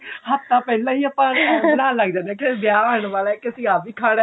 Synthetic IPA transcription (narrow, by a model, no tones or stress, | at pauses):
hətt̪ãːpɛːlãːiːəpãːnãːlːəɡd͡ʒãːnɛ̃ːked̪ɪjaːaːɳʋaːlaɛkɪsĩːaːbiːkʰaːɽ